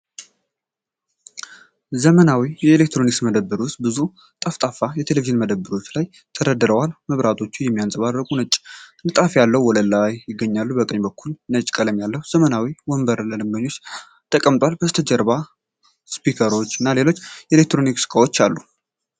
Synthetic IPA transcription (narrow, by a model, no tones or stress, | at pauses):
zəmənawijɛelek̚t̪ɾo̞niksməd̪əbːɨɾwʊst̪̚bɨzu | t̪ʼəft̪ʼafajɛt̪ʰe̞leviʒɨnməd̪əbːɨɾwot͡ʃːlaj | t̪ʰəɾəd̪ɨɾəwalməβɾat̪ʰo̞t͡ʃːujɛmːijansʼəβaːəkʼunət͡ʃʼːnɨt̪ʼafjalːəwwɔləlːajjɪɡːəɲːalːubəkʼəɲːbəkʰːulnət͡ʃʼkʼələmjalːəwuz̥əmənawiwɔmbəɾləlɨmbəɲːo̞t͡ʃː | t̪ʰʼəkʼəmt̪ʼwalbəzt̪ʰəd͡ʒəɾβa | spikʰəɾo̞t͡ʃːɨnːale̞lo̞t͡ʃːjɛelek̚t̪ɾo̞niksɨ̥kʰʼawo̞t͡ʃːalːu